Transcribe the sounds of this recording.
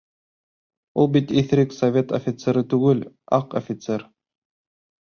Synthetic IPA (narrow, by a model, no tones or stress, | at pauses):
ulˠbit̪iθɾɘksovʲet̪ofʲɪt̪seɾɤt̪ʉɡɘl | ɑqofʲɪt̪seɾ